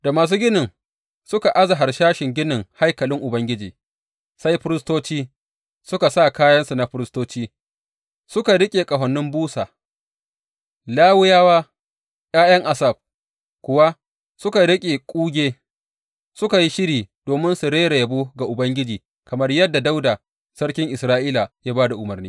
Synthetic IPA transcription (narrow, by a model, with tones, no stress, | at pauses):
da˨maː˨s̬uː˦ɡʲɪ˦nɪ˨ŋ | sʊ˦ka˨ʔa˦za˨ɦa˨rʃaː˦ʃɪ˨ŋɡʲɪ˦nɪ˨ŋha˦jkɐ˨lɪ˦ŋʔʊ˨bɐ˦ŋɡʲɪ˦d͡ʒiː˨ | sa˦jɸɪ˦ɾɪ˦stoː˦t͡ʃiː˦ | sʊ˦ka˨sa˦˨kaː˦jɐ˦nsu˨na˨ɸɪ˦ɾɪ˦stoː˦t͡ʃiː˦ | sʊ˦ka˨ɽɪ˦kʲʼeː˨kʼɐ˨ɦɐ˨nːɪ˦mbuː˦saː˨ | laː˦wʊ˦jaː˦waː˦ | jʲʼaː˦jɐ˦ŋʔa˨sɐ˨b̚ | kʷʊ˨wa˦ | sʊ˦ka˨ɽɪ˦kʲʼe˨kʷʼuː˦ɡʲeː˦ | sʊ˦ka˨ji˦ʃɪ˦ɾiː˨d̥oː˨mɪ˦nsu˨ɾeː˦ɾe˨jɐ˨buː˦ɡa˨ʔʊ˨bɐ˦ŋɡʲɪ˦d͡ʒiː˨ | kɐ˨mɐ˦rjɐ˦dːa˨da˦wda˨ | sɐ˦ɽkʲɪ˦ŋʔɪ˨sɾaː˦ʔiː˦la˨jaː˦baː˦da˨ʔʊ˨mɐ˨rniː˦